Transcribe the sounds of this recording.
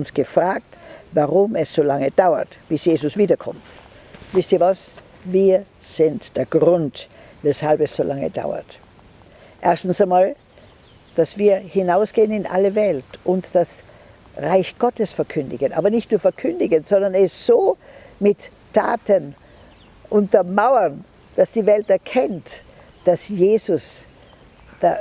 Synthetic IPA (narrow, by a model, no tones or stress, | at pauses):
ʊnsɡ̥əfʁ̥aːk̚tvaʁʊmɛsz̥oːlaŋəd̥aʊɐ̰tb̥ɪsjeːzʊsv̥iːdɐkʰɔ̰mt | vɪstiːɐvas | viːɐ | z̥ɪntd̥eːɐɡʁʊnt | vɛshalpɛsz̥oːlʔaŋə̰da̰ʊɐ̰t | ʔɛɐstn̩saɪmaːl | d̥asv̥iːɐhɪnaʊsɡ̥eːənɪnʔa̰ləvɛltʔʊntd̥as | ʁaɪçɡ̥ɔtəsfɛɐkʰʏndɪɡənʔa̰ːbɐnɪçtnuːɐfɛɐkʰʏndɪɡənz̥ɔndɐnɛsz̥oː | mɪtʰː | a̰ːtən | ʔʊntɐmaʊɐn | d̥asd̥iːvɛltɛɐkʰɛnt | d̥asjeːzʊs | d̥a